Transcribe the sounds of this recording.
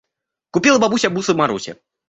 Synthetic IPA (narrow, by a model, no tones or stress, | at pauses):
kupʲilˠɐbabusʲɐbusɨvmaɾusʲɛ̰